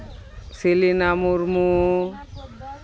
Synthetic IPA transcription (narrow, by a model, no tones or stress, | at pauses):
filinamuɾmu